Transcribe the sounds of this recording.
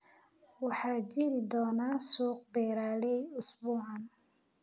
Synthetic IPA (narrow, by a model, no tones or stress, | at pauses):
wɑħɑːd͡ʒɪɾɪd̪ɔːnaːsuːq̚bɛːɾaːlɛjʊsbuːʕɑn